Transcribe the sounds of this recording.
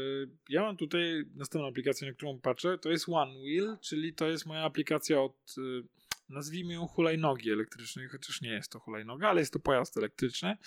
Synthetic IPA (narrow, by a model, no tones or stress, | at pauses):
jamamt̪ut̪ajnast̪ɛ̃mpñw̃apʲlʲikat̪sʲjɛnak̚t̪uɾɔ̃w̃patʂɛt̪ɔjɛst̪wanwilt͡ʂɘlʲit̪ɔjɛst̪mɔjaːplʲikat̪sʲjaɔt̪ | nazvʲimɘjɔ̃w̃xulajnɔɡʲiɛlɛkt̪ɾɘt͡ʂnɛjxɔt͡ɕḁʂɲɛjɛst̪ːɔxula̰jnɔɡaalɛjɛst̪ːɔpɔjast̪ɛlɛk̚t̪ɾɘt͡ʂnɘ